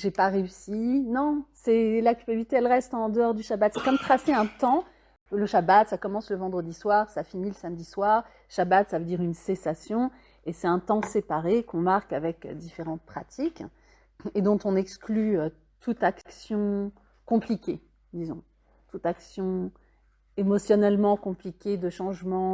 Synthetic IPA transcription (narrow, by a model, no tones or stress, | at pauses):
ʒepaʁeysinɔ̃sɛlakʲylpabilit̪eɛlʁɛst̪ɑ̃d̪əɔʁd̪yʃabat̪sɛkmt̪χaseɛ̃t̪ɑ̃ | ləʃabat̪sakɔmɑ̃sləvɑ̃d̪ʁəd̪iswaʁsafiniləsamd̪iswaʁ | ʃabat̪savød̪iʁynsesasjɔ̃ | esɛt̪ɛ̃t̪ɑ̃sepaʁekɔ̃maʁkavɛkd̪ifeʁɑ̃t̪̚pχat̪ʰik | ed̪ɔ̃t̪ɔ̃nɛksklyø | t̪ut̪akksjɔ̃ | kɔ̃plikʲe | d̪izɔ̰̃ | t̪ut̪aksjɔ̃ | emɔsjɔnɛlmɑ̃kɔ̃plikʲed̪əʃɑ̃ʒmɑ̃